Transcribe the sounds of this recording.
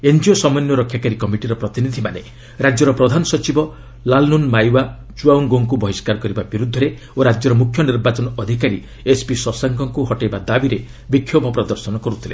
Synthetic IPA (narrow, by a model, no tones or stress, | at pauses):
end͡ʒiosɔmɔnjɔɾɔkʰːjakaɾikɔmiʈiɾɔpɾɔt̪inid̪ʱimane | ɾad͡ʒjɔɾɔpɾɔd̪ʱanɔsɔt͡ʃibɔ | lalnunmajwa | t͡ʃuaunɡoŋkubɔɦiskaɾɔkɔɾibabiɾud̪ʱːɔɾe | oɾad͡ʒjɔɾɔmukʰjɔniɾbat͡ʃɔnɔɔd̪ʱikaɾi | espisɔsaŋkɔŋkuɦɔʈejbad̪abiɾe | bikʰːjobʱɔpɾɔd̪ɔɾsɔnɔkɔɾut̪ʰilḛ